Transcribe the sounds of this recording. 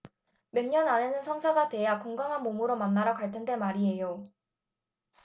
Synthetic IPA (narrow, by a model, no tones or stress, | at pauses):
mjʌnɲʌnane̞nɯnsʰʌŋsʰaɡadwe̞jakoŋɡaŋɦanmomɯɾomanːaɾakwaɭtʰende̞maɾiɦe̞jo